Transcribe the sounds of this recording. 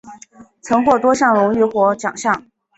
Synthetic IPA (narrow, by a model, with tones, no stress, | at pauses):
t͡sʰɤ˧˥ŋkwɔ˥˩t̪wɔ˥ɕjɑ˥˩ŋɻʊ˧˥ŋɥy˧˥xwɔ˧˥t͡ɕjɑ˨˩ŋɕjɑ˥˩ŋ